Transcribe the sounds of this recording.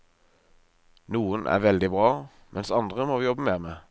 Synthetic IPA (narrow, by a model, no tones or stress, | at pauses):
nuːənʔæ̰ːʁʋɛld̪ɪbʁɑː | mʔɛnsɑnd̪ʁəmoːjɔbəmeːmeː